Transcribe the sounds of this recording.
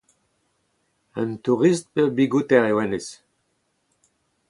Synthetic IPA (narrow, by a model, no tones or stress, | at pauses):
ə̰nt̪uʁist̪̚peʁbiɡut̪ɛʁewɛnes